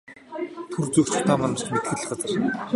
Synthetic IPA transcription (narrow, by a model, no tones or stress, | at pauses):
t̪ʰurt͡sɵkt͡ɕʊ̥t̪ʰaːmanə̆r̥t͡ɕmet̪̚ɡɘ̆ɮɘ̆χɢat͡sə̆r